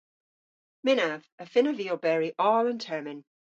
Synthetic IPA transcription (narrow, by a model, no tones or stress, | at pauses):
mɪnav̥əfɪ̃nəviːlˠbɛɹiʔɔːlə̃ntʰɜːmɪ̃n